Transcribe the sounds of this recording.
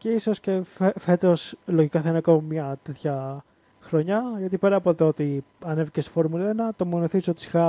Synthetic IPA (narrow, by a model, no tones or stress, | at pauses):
ce̞iso̞sce̞fefet̪o̞slo̞ʝikɐθɐinɐko̞mɐmɲɐt̪e̞t̪çɐ | xɾoɲɐʝɐt̪ipeɾɐpot̪ot̪i | ɐne̞viceso̥fo̞ɾmulenɐt̪omonoθisot̪i̥si̥xɐ